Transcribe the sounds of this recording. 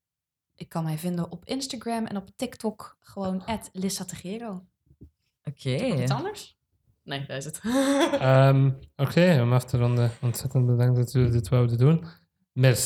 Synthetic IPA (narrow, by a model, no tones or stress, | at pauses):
ʔɪkːɑnmɛjvɪndəɔpɪnstaɡɹɛmɛ̰nɔptɪktɔkχəʋownɛtlɪsatəχɪːɾow | okʰeisɑndəɹs | neːdaɪsət | əmokʰeːɔmɑftəɾɔndəɔntsɛtənt̚bədɑŋ̚dɔtydɪtʋawdədun | mɛrs